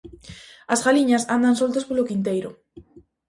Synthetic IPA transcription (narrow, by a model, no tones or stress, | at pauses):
asɣaliɲasand̪ansolt̪aspolokint̪ejɾo̰